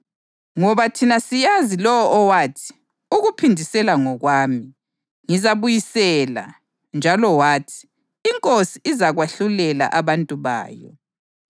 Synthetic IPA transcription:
ŋɔβatʰinasijazilɔwɔʔːwaːtʰi̥ | uɣupʰindʱisɛlaŋɔɣwaːmi | ŋizaβujisɛla̰ | nd͡ʒʱalɔwaːtʰi̥ː | ŋkʼosiːzaɣwaɬulɛla̰ʔaβantʼuβa̰ːjɔ̰

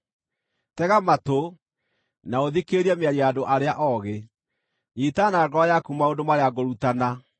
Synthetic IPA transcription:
tɛɣamato | naoðikeɾiɛmeaɾiadoʔaɾeaʔɔɣe | nitanaɡɔjakumaondomaɾeaɡoɾutana

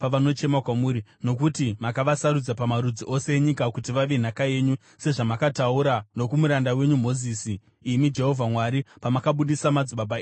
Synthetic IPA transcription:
paʋano̞t͡ʃe̞makwamuːɾino̞kutimakaʋasaɾud͡zapamaɾud͡ziʔo̞se̞ːɲikakutiʋaʋe̞n̤akaje̞ːɲu | se̞ʐamakatauɾano̞kumuɾandawe̞ɲum̤o̞ziːsiː | mid͡ʒe̞ɦo̞vʱamwaɾipamakaɓuɗisamad͡ziɓaɓaeː

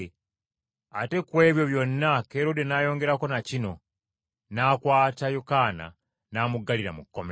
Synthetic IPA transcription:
ate̞kwe̞ːβjo̞βjo̞nːakeɾo̞denaːjo̞ːŋɡe̞ɾako̞nacino̞ | naːkwaːtajokaːna̰ | naːmuɡːaliɾa̰mukːome

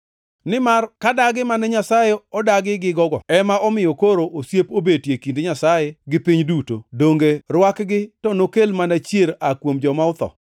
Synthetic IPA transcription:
nɪmarkadaɡɪmanɛɲasajeɔdaɡɪɡɪɡɔɡɔ̰ɛmaʔɔmɪjɔkoɾoʔosjepobedtjekindeɲasajeɡɪpiɲdutodoŋɡerwakɡɪtɔnokelmanat͡ʃjeɾakwomd͡ʒɔmaʊt̪ɔ̰

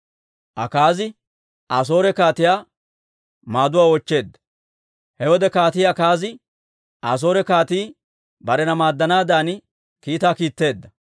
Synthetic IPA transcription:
ʔɐkaːzɪ | ʔas̬o̞ːɾɛkaːt̪ɪjaː | maːd̪ʊwaːwɔt͡ʃːe̞ːd̪ːɐ̥ | hɛwɔd̪ɛkaːt̪ɪjɐkaːzɪ | ʔaːs̬o̞ːɾɛkaːt̪iː | bɐɾɛnɐmaːd̪ːɐnaːd̪aːn | kiːt̪aːkiːt̪ːe̞ːd̪ːɐ

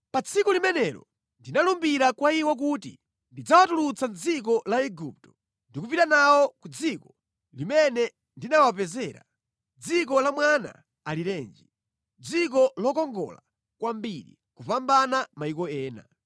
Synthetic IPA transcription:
pat͡sʰikɔlimɛnɛlɔ̰ | ndinalumbiɾakwaiwak̬utḭ | ndid͡zawatulut͡sand͡zik̬ɔlaɛɡup̚tɔ̥ | ndikupitanawɔkud͡zikɔ | limɛnɛ | ndinawap̬ɛzɛːɾa̰ | d͡zik̬ɔlamwana̰ː | lilɛːnd͡ʒi | d͡zik̬ɔlɔkɔŋɡɔ̰la̰ | kwambiɾi | kupambanamaikɔɛːna̰

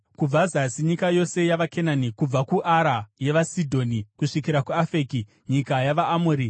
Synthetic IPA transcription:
kub͡vazasiɲikajo̞se̞jaʋakʰenanikub͡vakuʔaɾaje̞ʋasidʱo̞ːnikuʂikiɾakuafeːki | ɲikajaʋaːmoːɾi

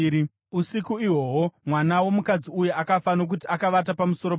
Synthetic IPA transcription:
usikuiwo̞ɦomwanawo̞mukad͡ziujeʔakafano̞k̬utiakaʋat̬apamuso̞ɾop

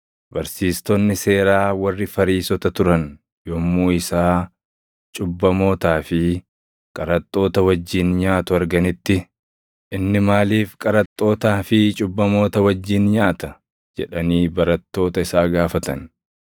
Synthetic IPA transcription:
bɐɾsiːst̪ɔnːɪse̞ːɾaːwɐrːɪfɐɾiːsɔt̪ɐt̪ʊɾɐn | jɔmːuːɪsaː | t͡ʃʼʊbːɐmo̞ːt̪aːfɪ | kʼɐɾɐt̪ʼːo̞ːt̪ɐwɐd͡ʒːiːnɲaːt̪ʊɐɾɡɐnɪt̪ːɪ | ʔɪnːɪmaːliːfkʼɐɾɐt̪ʼːo̞ːt̪aːfɪt͡ʃʼʊbːɐmo̞ːt̪ɐwɐd͡ʒːiːnɲaːt̪ɐ | d͡ʒɛ̰ᶑɐniːbɐɾɐt̪ːo̞ːt̪ɐɪsaːɡaːfɐt̪ɐ̰n

